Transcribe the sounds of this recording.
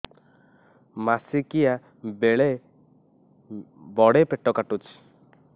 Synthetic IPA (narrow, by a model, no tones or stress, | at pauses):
masikija | beɭe | bɔɽepeʈɔkaʈut͡ʃ